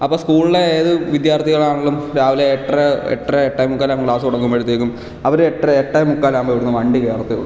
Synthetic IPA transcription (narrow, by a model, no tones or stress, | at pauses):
ɐpːoːskuːɭileeːðɨʋid̪jaːrt̪ʰiɣɐɭaːɳoɭːumɾaːʋileeʈreḛʈreeʈːɐjmukːaːlaːmkɭaːsupoɽɐkːumpɐɽut̪ːeːkːum | ɐʋɐɾeʈːeeʈːɐjmukːaːlaːmbɐʋiɽunːɨmɐɳɖikeːrɐt̪ːiɣṵ